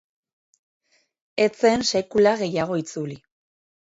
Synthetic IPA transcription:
e̞t͡se̞nse̞kulaɣe̞jaɣ̞o̞it͡suli

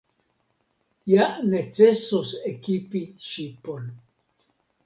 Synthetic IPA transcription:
janet͡se̞sosekipiʃipon

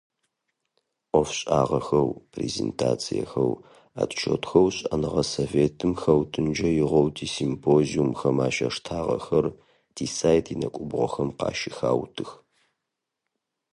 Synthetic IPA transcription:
ʔʷɔfɕʼaːʁɐxɐwpʰrezḛːntʰa̰ːt͡sʰijɐxɐw | a̰ːtʰʼʃʰotxɐwɕʼɐnɨʁɐsoveːtʰɨmxɐwtʰɨnd͡ʒɐjɪʁʷɔwtʰiːsimpʰoːziumxɐmaːʃɐʂtʰaːʁɐ̰xɐr | d̥ʰiːsaːjtʰjinɐkʷʼʊbʁʷɔxɐmqɑ̰ːʃɪxaːwtʰɨx

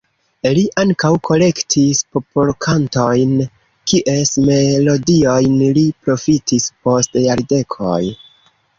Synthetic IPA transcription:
liʔaŋkawkʰo̞le̞ktʰispo̞polkʰanto̞jn | kiʔe̞sme̞lo̞dio̞jnlipɾo̞fitispo̞stjaɾde̞kʰo̰j

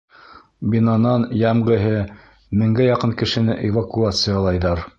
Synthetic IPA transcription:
bʲinɑnɑnjæmʁɘ̆ɦɘ | mɘ̆ŋɡæjɑqɤnkɘ̆ʃɘ̆nɘʔevakuat̪sɨjɑlˠɑjðɑɾ

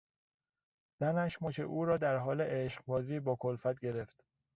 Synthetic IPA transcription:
z̥ænæʃmocʰḛʔuːɾɒːd̪æɾɦɒːleʔeʃɢbɒːziːbɒːkʰolfæt̪̚ɟe̞ɾe̞ft̪

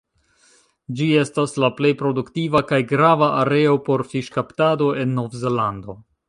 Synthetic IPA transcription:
d͡ʒie̞staslaple̞jpɾo̞duktivakajɡɾavaʔaɾe̞o̞po̞ɾfiʃkaptado̞ʔe̞nːo̞vze̞lando̞

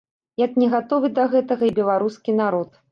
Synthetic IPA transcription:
jaknʲɛɣat̪ɔvɨd̪ɐɣɛt̪ɐɣɐibʲɛlˠaɾuskʲinaɾɔt̪

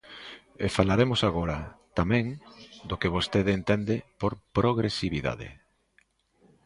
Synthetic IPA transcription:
efalaɾemʊsaɣoɾɐt̪amɛ̃ŋd̪okeβ̞ost̪eðent̪end̪ɪpoɾpɾoɣɾesiβiða̰ðɪ̰

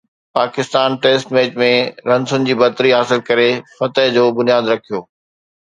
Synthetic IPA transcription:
paːkɪst̪aːnʈeːsʈmeːd͡ʑmẽɾɐ̃nsʊnɪd͡ʑiːbɐt̪ɾiɦaːsɪlkɐɾefɐt̪əɦd͡ʑoːbʊnijaːd̪ɾɐkʰijoː

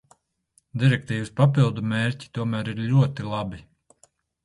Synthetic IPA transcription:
d̪iɾɛk̚t̪iːvɨspapilˠd̪umeːɾʲci̥t̪uɔmæːɾiɾʎʲuɔt̪ilˠabi

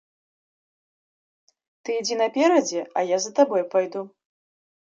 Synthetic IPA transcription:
t̪ɨid͡zʲinɐpʲeɾɐd͡zʲɛajazɐt̪abojpajd̪u

